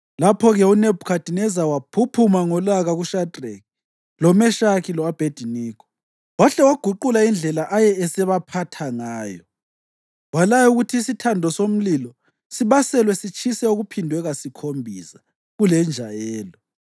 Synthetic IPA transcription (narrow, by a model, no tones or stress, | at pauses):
lapʰɔɣɛunebʱukʰad̥ʱinɛzawapʰupʰumaŋɔlaɣaɣuʃadʱrɛk̚ | lɔmɛʃakilɔab̥ʱed̥ʱiniːkʰɔ̥ | waɬɛwaɡ̥ʱuǃulaind͡ɮʱɛlaʔajɛɛsɛβapʰatʰaŋaːjɔ | walajuɣutʰiːsitʰandʱɔsom̩lilɔ | siβasɛlwɛsit͡ʃʼʰisɛuɣupʰindʱwɛɣasikʰombʱisḁ | ɣulɛnd͡ʒʱajɛːlɔ